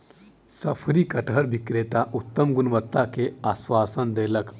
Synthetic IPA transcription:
sɐpʰɾikɐʈɦɐɾbʱikɾeːt̪aʔut̪ːɐmɡunʋət̪ːakeasʋaːsənd̪eːlɐk

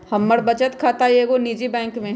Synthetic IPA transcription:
hɐmːəɽbɐt͡ʃət̪kʰaːt̪aeːɡoniːd͡ʒibɛ̃ːŋkmẽ

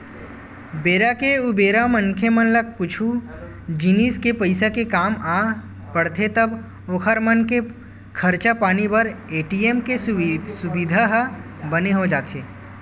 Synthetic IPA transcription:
beːɾakeʊbeːɾamɐ̃ŋkʰemɐnlɐk̚kʊt͡ʃʰu | d͡ʒiniːskepɐɪsakekaːmaː | pɐɽt̪ʰet̪ɐb | oːkʰəɾmɐnke | kʰɐɾt͡ʃapaːnipɐɾeːʈieːmkesʊbɪd̪ʱaɦ | bəneɦod͡ʒaːt̪ʰeː

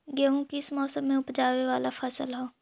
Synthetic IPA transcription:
ɡəɦũkiɪsmɔːsəmːẽʊpd͡ʒaːweʋaːlafʰɛːsəlɦɛː

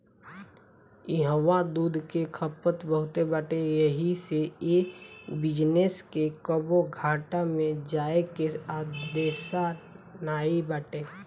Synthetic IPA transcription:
ɪɦəwad̪uːd̪ʱkekʰəpət̪bəɦʊt̪ebaʈejəɦiseeːbɪd͡ʒneskekəboɡʱaːʈamẽd͡ʒaːekeaːd̪eːʃa | naːibaːʈeː

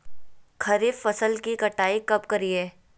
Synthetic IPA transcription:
kʰɐɾiffɐsəlkikɐʈaːikɐp̚kɐɾieː

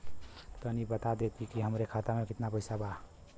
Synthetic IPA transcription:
t̪ənibət̪ad̪et̪ikiɦəmɾekʰat̪amekɪt̪napəɪjsaba

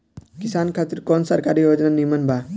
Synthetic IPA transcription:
kisaːnkʰaːt̪iɾkɔːnsɐɾkaɾijoːd͡ʒnanimənbʱa

